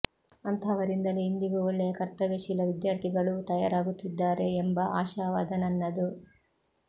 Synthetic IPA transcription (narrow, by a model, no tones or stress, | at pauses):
ɐnt̪ɐːʋɐɾind̪ɐleind̪iɡuoɭːejɐkɐɾt̪ɐʋeʃilɐʋid̪jaːɾt̪ʰiɡɐɭut̪ɐja̰ːɾaːɡut̪ːid̪ːaːɾe̞ːmbɐʔaːʃaːʋaːd̪ɐnɐnːɐd̪u